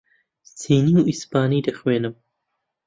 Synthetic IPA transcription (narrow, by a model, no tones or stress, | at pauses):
siːniwispɑːnid̪ɐxweːnəm